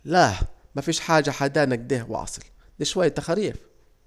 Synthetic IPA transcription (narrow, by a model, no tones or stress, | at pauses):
lamafiːʃħaːd͡ʒaħad̪aːnaɡ̚d̪iːhw̰ɑ̰sˤɨl | d̪iʃwajːt̪axaɾiːf